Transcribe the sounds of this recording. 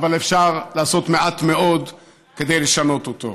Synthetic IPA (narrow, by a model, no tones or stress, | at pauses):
valefʃaʁlaːso̞t̪me̞ʔat̪me̞o̞d̪ | ke̞d̪e̞jleʃano̞t̪ot̪o